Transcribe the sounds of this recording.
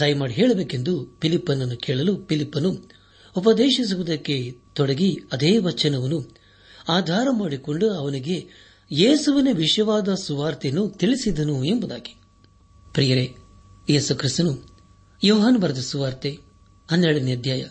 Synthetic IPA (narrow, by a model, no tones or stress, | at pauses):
t̪ɐjmaːɽiɦɛːɭɐbeːke̞nd̪upilipːɐnːɐnːukɛːɭɐlupilipːɐnu | upɐd̪eːʃis̬uʋud̪ɐkːe̞t̪ɔɽɐɡiɐd̪eːʋɐt͡ʃɐnɐʋɐnːu | aːd̪ʱaːɾɐmaːɽikoɳɖuɐʋɐniɡe̞ | jeːsuʋɐneʋiʂjɐʋaːd̪ɐsuʋaːɾt̪enut̪iɭisid̪ɐnue̞mbud̪a̰ːɡi̥ | pɾiːjɐɾe | jeːsukɾist̪unu | joːɦaːnbɐɾɐd̪isuʋaːɾt̪e | ɐnːɛɭɐnijɐd̪jaːjɐ